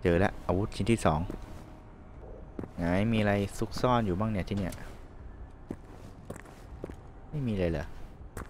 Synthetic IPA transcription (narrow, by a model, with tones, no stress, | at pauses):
t͡ɕɤː˧lɛ̰˦˥ʔʔaː˧wu˦˥t̪̚t͡ɕi˧nt̪iː˥˩sɔː˩˦ŋ | ŋaː˨˩˦jmiː˧a˧ɾa˧jsu˦˥k̚sɔː˥˩njuː˨˩baː˥˩ŋna˧˩t̪ʰi˥˩ni˥˩ɐʔ | ma˥˩jmiː˧a˧ɾa˧jlɤ̰˩˦